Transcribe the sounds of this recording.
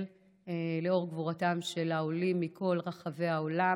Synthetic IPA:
l | ele̞o̞ʁɡvuʁatamʃelaolimːikʰo̞lʁaχave̞jao̞la

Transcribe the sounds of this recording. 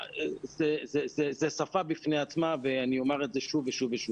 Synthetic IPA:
zezezezesafabifneat͡smaveanio̞maʁezeʃuveʃuveʃuv

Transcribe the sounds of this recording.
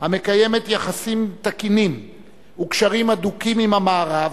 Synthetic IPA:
hame̞kaje̞me̞t̪jaχasimt̪akinim | ukʃaʁimad̪ukimimamaːʁav

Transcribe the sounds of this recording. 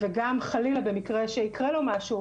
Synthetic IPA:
veɡamχalilabe̞mikʁe̞ʃeikʁelomaʃu

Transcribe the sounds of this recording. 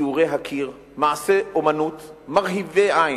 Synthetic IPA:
uʁeɦakʰiʁ | maʕaseʔomanut̪maʁɦiveʔaj

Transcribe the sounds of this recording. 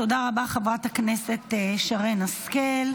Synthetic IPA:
to̞daʁabaχavʁathakneset̪ʃaʁenaskel

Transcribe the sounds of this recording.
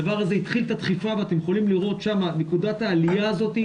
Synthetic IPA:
avaʁaze̞it̪χilt̪at̪χifaveat̪emjeχolimliʁo̞t̪ʃamanekud̪at̪aːlijaːzo̞t̪i

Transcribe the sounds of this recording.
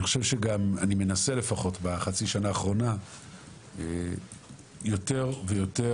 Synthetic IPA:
niχo̥ʃevʃeɡamanime̞nase̞le̞faχo̞tbaχat͡siʃanaːχʁo̞na | e | jo̞te̞ʁvejo̞te

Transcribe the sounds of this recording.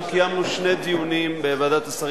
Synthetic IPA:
kijamnuʃne̞d̪iunimbeːvad̪at̪asaʁ

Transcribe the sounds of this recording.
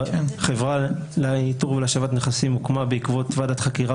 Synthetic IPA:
χevʁaleituʁvelaʃavat̪neχasimukmabeikvo̞t̪vadat̪χakiʁa

